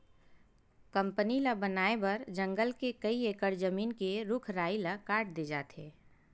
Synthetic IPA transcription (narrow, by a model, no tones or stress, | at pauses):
kɐ̃mpənilabənaːebɐɾd͡ʒɐ̃ŋɡəlkekɐieːkəɾd͡ʒəmiːnkeɾʊkʰɾaːilakaːɾʈ̚d̪eːd͡ʒa̰ːt̪ɦḛː